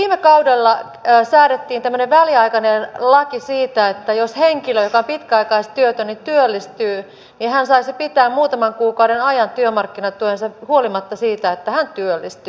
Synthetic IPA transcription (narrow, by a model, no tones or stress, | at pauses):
ʋiːmekɑudelːɑː | sæːɾet̪ːiːnt̪æmːøneʋʋæliɑikɑnenlɑkisiːt̪æet̪ːæjosheŋkiløjokɑompit̪kæɑikɑist̪yøt̪ønit̪yølːist̪yː | nihænsɑisipit̪æːmmuːt̪ɑmɑŋkuːkɑuɾenɑjɑnt̪yømɑrkːinɑt̪ːuensɑhuolimɑt̪ːɑsiːt̪æet̪ːæhænt̪yølːist̪y